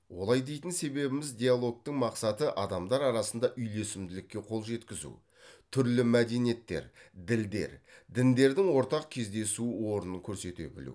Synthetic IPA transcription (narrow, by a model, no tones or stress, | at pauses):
wo̞lˠɑjd̪e̞jt̪ɪnse̞be̞bɪmɪzd̪ʲejalˠo̞k̚t̪əŋmɑqsɑt̪əʔɑd̪ɑmd̪ɑɾɑɾɑsənd̪ɑʔʏjle̞sɪmd̪ɪlɪkʲːe̞qʰo̞lˠʒe̞t̪kʲɪzṵ | t̪ʰʏɾlɪmæd̪e̞nije̞t̪ːe̞̰ɾd̪ɪld̪e̞̰ɾd̪ɪnd̪e̞ɾd̪ɪŋwo̞ɾt̪ɑq̚kʲʰe̞zd̪e̞suwo̞ɾənəŋkʲʰɵɾse̞t̪ḛbɪ̰lṵw